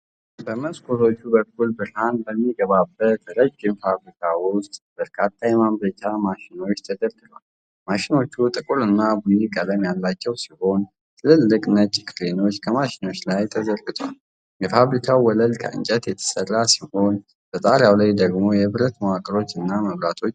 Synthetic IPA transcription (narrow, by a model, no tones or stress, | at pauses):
bəməskʰo̞t̪ʰo̞t͡ʃːubək̚ːulbɨɾhanbəmːiɡəβabəəɾəd͡ʒːɪmfaβɾikʰawʊst̪ʼb̥əɾkʰat̪ʰːajɛmamlət͡ʃʼːamaʃɪno̞t͡ʃːt̪ʰəd̪əɾɡɨlwal | maʃɪno̞t͡ʃːut̪ʼɨkʼulɨnːabujikʼələmjalːat͡ʃːɛwsiho̞n | t̪ʰɨlɨlːɨkʼnət͡ʃʼːkʰɾino̞t͡ʃːkʰəmaʃɪno̞t͡ʃːlajt̪ʰəzəɾɡɨt̪ʰʼwa̰l | jɛfaβɾikʰawwɔləlkʰə̰ʔɨ̰nt͡ʃʼɛt̪jɛt̪ʰə̥sərːasiho̞n | b̥ət̪ʼaɾjawlajd̪əɡmo̞jɛβɨɾət̪məwakʼəɾo̞t͡ʃːɨnːaməβɾat̪ʰo̞t͡ʃː